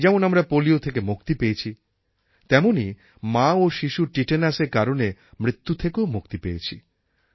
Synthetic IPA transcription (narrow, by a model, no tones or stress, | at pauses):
d͡ʑɛmonamɾapoliot̪ʰek̬emuk̚t̪ipejet͡ɕʰi | t̪ɛmoni | maoʃiʃuʈiʈenaseɾkaɾonemɾit̪ːut̪ʰekeomuk̚t̪ipejet͡ɕʰḭ